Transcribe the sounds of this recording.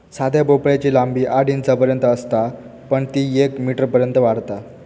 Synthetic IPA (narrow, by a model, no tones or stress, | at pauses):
sad̪ʱjabopɭjat͡ɕiːlambiːʔaɽint͡sapəɾjənt̪əːst̪a | pəɳt̪iːekmiʈəɾpəɾjənt̪əʋaɽt̪a